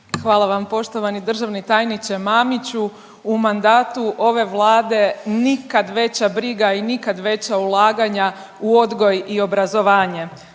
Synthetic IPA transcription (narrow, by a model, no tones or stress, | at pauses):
xʋaːlˠaʋampo̞ʃt̪o̞ʋanid̪r̩ʒaʋnit̪aːjnit͡ɕemaːmit͡ɕuː | mand̪aːt̪uʔo̞ʋe̞ʋlˠaːd̪e̞nikad̪ʋe̞t͡ɕabɾiɡainikad̪ʋe̞t͡ɕaulˠaːɡaɲa | uo̞d̪ɡo̞jio̞bɾazo̞ʋaːɲe̞